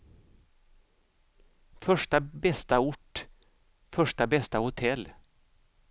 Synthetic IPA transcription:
fœʂʈəbɛst̪aʊʈ | fœʂʈəbɛst̪əhʊt̪ʰɛl

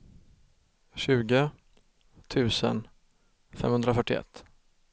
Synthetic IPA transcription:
ɕʉ̟ːɡə | t̪ʰʉ̟ːsə̰n | fɛ̰mhɵnd̪ɾafœʈːɪɛ̰t̪ː

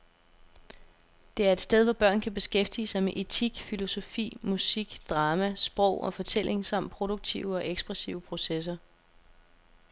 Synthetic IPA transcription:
d̥e̝æɐe̝d̥sd̥eð̞ˠʋɒb̥ɶɐ̰nkʰæb̥e̝sɡ̥efd̥ḭːəsɑ̈ɪmeʔe̝t͡sʰiɡ̥filo̝so̝fḭːmusiɡ̥d̥ʁɑ̈ːmæsb̥ʁɔʊ̰ɒ̽fɒ̽t͡sʰel̰ʔe̝ŋsɑ̈m̰d̥̚pʰʁo̝ɾ̥oɡ̥̚t͡sʰiʊəɒ̽ʔeɡ̥sb̥ʁɛsiʊəpʰʁo̝ses̬ɐ

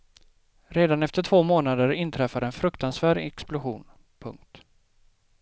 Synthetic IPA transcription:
ɾeːd̪anɛft̪əʈʰv̥oːmoːnad̪əɾɪnt̪ʰɾɛfːaɾɛnfɾɵkt̪ansvæːɖɛ̰ksplʊɧṵːn | pʰɵ̰ŋk̚t̪

